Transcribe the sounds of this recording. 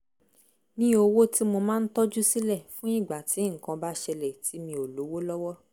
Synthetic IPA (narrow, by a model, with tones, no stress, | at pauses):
nĩ˦o˧wo˦ti˦mo˧mãː˦˧n̩˦tɔ˦d͡ʒu˦si˦lɛ˦˨fũ˦i˦˨ɡ͡ba˨ti˨˦ŋ̩˨kã˧ba˦ʃɛ˧lɛ˨ti˨˦mĩ˧o˨lo˨˦wo˦lɔ˦wɔ˦